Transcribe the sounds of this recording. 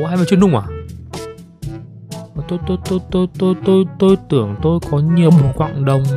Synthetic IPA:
haː˧jva˨˦˩t͡ɕi˧˨nɗŋ͡mʔaː˨˩ | vaː˨˩t̪o˧jt̪o˧jt̪o˧jt̪o˧jt̪o˧jt̪o˧jt̪o˧jt̪ɨ˧˩əŋt̪o˧jkɔ˨˦ɲi˨˩ə˩wɓo˨˩˦kwa̰ː˧˨ŋɗə˨˩wŋ͡m

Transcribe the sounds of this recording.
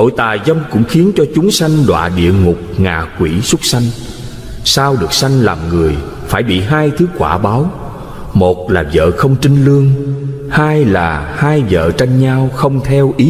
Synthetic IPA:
ɗo̰˧˨jt̪aː˨˩jzə˧wŋ͡mkʊ̰˧˥ŋ͡mxi˨˦ənt͡ɕɔ˧t͡ɕʊ˨˦ŋ͡msa˧jŋ̟ɗwa̰ː˧˨ɗḭ˧˨əŋʊ˨˩k͡p̚ŋaː˨˩kwi˧˩sʊ˦˥t̚sa˧jŋ̟ | saː˧wɗɨ˨˩ək̚sa˧jŋ̟laː˨˩mŋɨ˨˩əj | faː˧˩jɓḭ˧˨ɦaː˧jt̪ʰɨ˨˦kwa̰ː˧˩ɓaː˨˦w | mo˨˩t̚laː˨˩zə̰ː˧˨xə˧wŋ͡mt͡ɕï˧ŋ̟lɨ˧əŋ | haː˧jlaː˨˩haː˧jzə̰ː˧˨t͡ɕa˧jŋɲaː˧wxə˧wŋ͡mt̪ʰɛ˧wʔi˨˦

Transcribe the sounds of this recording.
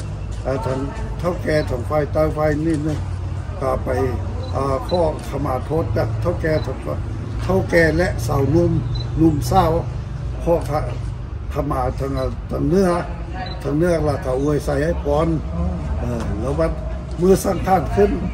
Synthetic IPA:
a˧˩t̪ʰa˧˦ŋ | t̪ʰa˧˥˨wkɛː˧˩t̪ʰa˨˩˦ŋpʰaː˧˨jt̪a˧˨wpʰa˧jniː˧˩nɯ˧˩˨ŋ | ka˧˩pa˨˩j | ʔaː˧˩pʰɔː˧˩˨kʰa˧maː˨˩t̪ʰo˧˥t̪̚a˧˩t̪ʰa˧˨wkɛː˧t̪ʰa˧ | t̪ʰa˧˥˨wkɛː˧˩lɛ˧ʔsa˨˩˦wnu˧˨mnu˧˨msaː˧˩˨w | pʰɔː˧˨t̪ʰa˧ | t̪ʰa˧˨maː˨˩t̪ʰa˧˦ŋa˧˩t̪ʰa˨˧˦ŋnɯ˧˥˨ə | t̪ʰa˧ŋnɯ˧˨ɐla˧˩t̪ʰa˧˩ʔu˧ə˨jsa˧˩jha˧˥˩jpʰɔː˨˦nʔɤː˧˩lɛː˧˦waː˧ | mɯː˧˨sa˧˩ŋkʰaː˧˩˨nkʰɯ˧˥˨n

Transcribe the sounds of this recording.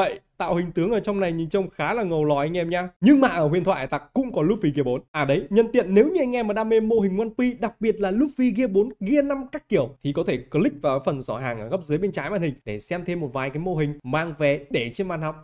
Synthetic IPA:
ə̰˧˨jʔt̪a̰ː˧˨whï˨˩ŋ̟t̪ɨ˨˦əŋʔəː˧˩t͡ɕɔ˧wŋ͡mna˨˩jɲɨ˨˦nt͡ɕə˧wŋ͡mxaː˨˦laː˨˩ŋə˨˩wlɔ˨˩ʔa˧ŋ̟ʔɛ˧mɲaː˧ɲɨ˧ŋmaː˨˩ʔəː˧˩wi˧ənt̪ʰwa˧˨˧t̪a˨˩k̚kːʊ̰˧˥ŋ͡mkɔ˨˦lu˦˥fi˧ɣi˧əɓo˨˦nʔaː˨˩ɗə˨˦jɲə˧nt̪ḭ˧˨ənːe˨˦wɲɨ˧ʔa˧ŋ̟ʔɛ˧maː˨˩ɗaː˧me˧mːo˧ɦï˨˩ŋ̟ːwaː˧nkwi˧ɗa˨˩k̚ɓi˨˩ət̚laː˨˩lʊ˦˥p̚fi˧ɣi˧əɓo˨˦nɣi˧əna˧mkaː˦˥kki˧˩əwt̪ʰi˨˩kɔ˨˦t̪ʰe˧˩kːlï˦˥k̟̚vaː˨˩˦fə˨˩nzɔ˧˩ɦaː˨˩ŋʔəː˧˩ɣə˦˥p̚zɨ˨˦jɓe˧nt͡ɕaː˨˦jma̰ː˧nhï˨˩ŋ̟ɗe˧˩sɛ˧mt̪ʰe˧mːo˨˩t̚vaː˨˩jkaː˨˦jmo˧ɦï˨˩ŋ̟maː˧ŋvɛ˨˩ɗe˧˩t͡ɕe˧nma̰ː˧˨nhɔ˨˩wk͡p̚

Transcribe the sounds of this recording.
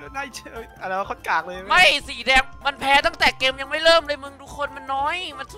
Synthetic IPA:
na˧˩jt͡ɕːa˧˩laː˧˦˥kʰo˧˥˩nkaː˨˩k̚lɤː˧˦ma˥˩jsiː˨˩˦dɛː˧ŋma˧npʰɛː˦˥t̪a˥˩ŋt̪ɛː˨˩keː˧mja˧ŋma˥˩jlɤː˥˩mlɤː˧jmɯ˧ŋduː˧kʰo˧nma˧nːɔː˦˥jma˧nʰ˧˩

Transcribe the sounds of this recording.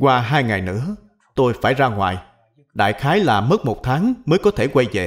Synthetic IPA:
kwaː˧ɦaː˧jŋa˨˩jnɨ̰˧˥ə | t̪o˧jfaː˧˩jzaː˧ŋwa̰ː˨˩j | ɗa̰ː˧˨jxaː˨˦jlaː˨˩mə˦˥t̚mo˨˩t̚t̪ʰaː˨˦ŋməː˨˦jkɔ˨˦t̪ʰe˧˩kwa˧jze˨˩

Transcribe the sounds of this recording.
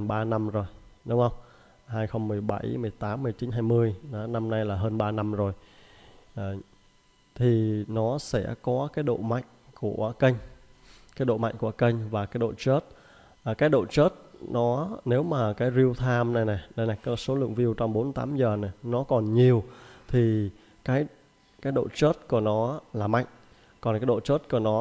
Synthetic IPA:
nɓaː˧na˧mzo˨˩jɗʊ˨˦ŋ͡mhə˧wŋ͡m | haː˧jxə˧wŋ͡mmɨ˨˩əjɓa˧˩jmɨ˨˩əjt̪aː˨˦mːɨ˧˩əjt͡ɕi˨˦nɦaː˧jmɨ˧əjn˨˦na˧mna˧jlaː˨˩ɦəː˧nɓaː˧na˧mzo˨˩j | ʔː | t̪ʰi˨˩nɔ˨˦sɛ̰˧˥˩kɔ˨˦kaː˨˦jɗo̰˧˨ma̰˧˨jŋ̟ku˧˩əkə˧jŋ̟kaː˨˦jɗo̰˧˨ma̰˧˨jŋ̟ku˧˩ə˩kə˧jŋ̟vaː˨˩kaː˨˦jɗo̰˧˨t͡ɕə˦˥t̚ː | kaː˨˦jɗo̰˧˨t͡ɕə˦˥t̚nɔ˨˦ne˨˦wmaː˨˩kaː˨˦jzi˧əwt̪ʰaː˧mna˨˩jnɛ˨˩ɗə˧jna˨˩jkə˨˧˦so˨˦lɨ̰˧˨əŋvi˧əwt͡ɕɔ˧wŋ͡mɓo˨˦nt̪aː˨˦mzəː˨˩nɛ˨˩nɔ˨˦kɔ˨˩nɲi˨˩əwt̪ʰi˨˩ | kaː˨˦j | kaː˨˦jɗo̰˧˨t͡ɕə˦˥t̚ku˧˩ənɔ˨˦laː˨˩ma̰˧˨jŋ̟ | kɔ˨˩nkaː˨˦jɗo̰˧˨t͡ɕə˦˥t̚ku˧˩ənɔ˨˦

